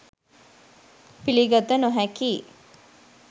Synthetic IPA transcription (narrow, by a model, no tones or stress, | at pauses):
piliɡɐd̪ənoɦækiː